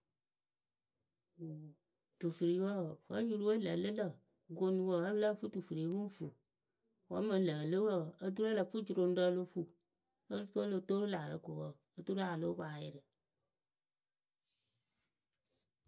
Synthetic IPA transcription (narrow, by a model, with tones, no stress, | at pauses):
tu˨fɨ˨ɾi˨wə˦˨fa˨˦ju˦ɾu˦we˦lə̰˨lə˦lə˨ | ɡo˦nu˦˧wə˨ə˦bla˦fu˦tu˨fu˨ɾe˨˦wu˦n˦fu˨ | wa˦mə˨˦lə˨lɨ˦wə˦˨ə˦du˦ɾa˦lə˨fu˦d͡ʒu˨ɾo˨n˦də˦lo˦fu˦˨ | ə˦lfo˦lo˦˨to˦ɾla˨lə̰˦ko˨wə˦˨ə˦tu˦ɾa˨lo˦wa˨jɪ˦˨ɾə˨